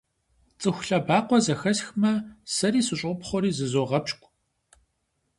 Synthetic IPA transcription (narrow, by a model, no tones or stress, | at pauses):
t͡sʼɨxʷɬɐbaːqʷɔzɐxɐsxmɐsɐɾiːsɨɕʼpχʷɔɾiːzɨzoːʁɐpɕkʷʼ